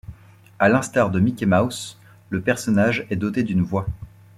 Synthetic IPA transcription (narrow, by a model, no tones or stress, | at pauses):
alɛ̃st̪aʁd̪əmikʲemaws | ləpɛʁsɔnaʒɛd̪ot̪ed̪ynvwa